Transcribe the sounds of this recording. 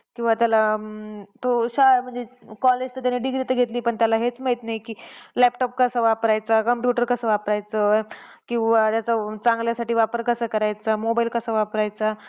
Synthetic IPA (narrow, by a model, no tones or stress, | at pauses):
kĩw̃ʋat̪jala | t̪oɕam̤əɳd͡zekɔled͡ʑt̪ət̪janːiːɖiɡɾit̪əɡʱet̪liːpəɳt̪jalaɦet͡smait̪naɦikiːlɛpʈɔp̚kəsəːʋapɾajt͡sakəmpjuʈəɾkəsəːʋapɾajt͡səkĩw̃ʋat̪jat͡sət͡saŋɡljasaʈiːʋapəɾkəsəːkəɾajt͡samobailkəsəːʋapɾajt͡sa